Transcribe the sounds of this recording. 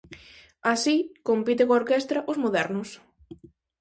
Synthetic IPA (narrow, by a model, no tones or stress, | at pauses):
asikompit̪̬ekooɾkɛst̪ɾaʔʊzmoðɛɾnʊs